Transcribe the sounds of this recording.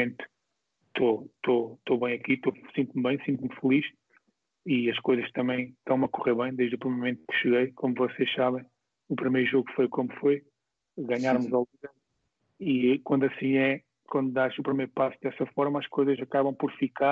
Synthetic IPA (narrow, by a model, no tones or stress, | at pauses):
ẽnt̪ | t̪ot̪ot̪oβɐ̃j̃ɐkit̪osĩnt̪umβɐ̃j̃sĩnt̪mfɨlˠiʃ | iɐʃkojzɐʃt̪ɐmɐ̃j̃ʃt̪ɐ̃w̃mɐkuʁeɾβɐ̃j̃d̪ejʒðupɾimeɾmumẽnt̪ukʃɨɣɐjkomuvɔseʃsaβɐ̃j̃ | upɾimɐjɾuʒoɣfojkomufoj | ɣaɲaɾmuzalˠivɛ | ikwɐ̃nd̪uɐsĩɛ | kwɐ̃nd̪ud̪aʃupɾimɐjɾupasd̪ɛsɐfɔɾmɐaʃkojzɐʃɐkaβɐ̃w̃pɔɾfika